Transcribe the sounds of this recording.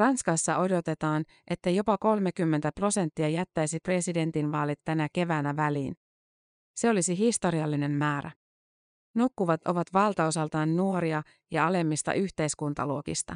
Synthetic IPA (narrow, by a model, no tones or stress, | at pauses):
rɑnskɑsːɑʔo̞do̞t̪e̞t̪ɑːn | ʔe̞t̪ːæjo̞pɑko̞lmekymːent̪æpro̞se̞nt̪ːiɑjæt̪ːæjsipre̞side̞nt̪inʋɑːlit̪ːænæke̞ʋæːnæʋæliːn | se̞o̞lisiɦist̪o̞ɾiɑlːine̞mːæːɾæ̰ | nukːuʋɑt̪o̞ʋɑt̪ʋɑlt̪ɑo̞sɑlt̪ɑːnːuo̞ɾiɑ | jɑɑle̞mːist̪ɑ̰ʔyçt̪e̞jskunt̪ɑ̰luo̞kḭst̪ɑ